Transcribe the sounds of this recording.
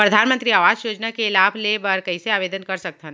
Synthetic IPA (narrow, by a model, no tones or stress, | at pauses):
pɾɐd̪ʱaːnmə̃nt̪ɾiaːʋaːd͡ʒjoːd͡ʒnakeɪlaːbʰlebɐɾkɐiseaːʋeːd̪ənkɐɾsɐk̚t̪ə̃n